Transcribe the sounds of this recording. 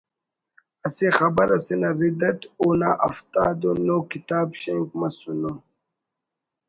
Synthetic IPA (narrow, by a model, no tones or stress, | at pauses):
ɐsexɐbɐɾɐsinɐɾid̪ɐʈuːna̰ʔɐft̪aːd̪onokit̪aːbɕeŋkmɐsuno